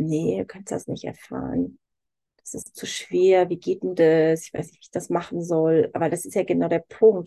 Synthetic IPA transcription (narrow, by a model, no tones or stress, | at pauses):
nəduːkʰanstda̰snɪçtɛ̰ɐfa̰ːʁən | d̥asɪst͡suʃv̥eːɐviːɡeːt̚undasɪçv̥a̰ɪsnɪçtv̥iːçd̥asmaχn̩zɔlʔa̰ːbɐdasɪstjaːɡənaʊɾeːɐpʰʊŋk̚t